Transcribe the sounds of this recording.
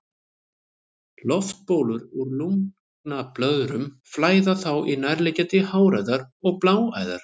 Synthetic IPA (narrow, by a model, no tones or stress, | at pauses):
lɔft̪̚poːwlʏɾuɾluŋ | knaplœðɾʏm | flaːjðaθawʔinajɾlɛcɛt̪ɪhaːwɾajðaɾɔɣplaːwa̰ːjða̰ɾ̥